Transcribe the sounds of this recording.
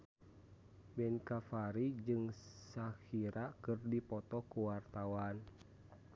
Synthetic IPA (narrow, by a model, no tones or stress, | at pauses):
mɛnkafaɾid͡ʒɨŋsakiɾakɨrdipɔt̪ɔkuwart̪awan